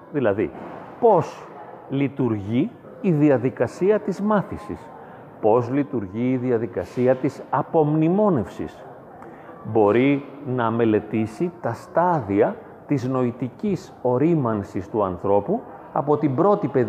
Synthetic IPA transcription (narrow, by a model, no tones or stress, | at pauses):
ðilɐðḭ | po̞s | lit̪uɾʝiː | ðiɐðikɐsiɐt̪izmɐθisḭs | po̞zlit̪uɾʝiːðiɐðikɐsiɐt̪isɐpo̞mnimo̞ne̞fsḭs | bo̞ɾinɐme̞le̞t̪isit̪ɐst̪ɐðiɐ | t̪izno̞it̪icis | o̞ɾimɐnsist̪uɐnθɾo̞pu | ɐ̰po̞t̪imbɾo̞t̪ipe̞